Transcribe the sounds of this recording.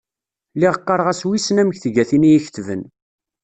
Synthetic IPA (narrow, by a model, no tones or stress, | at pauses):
liʁəqːɑɾˤʁæswisnæməçθɡæθinijiç̥θvən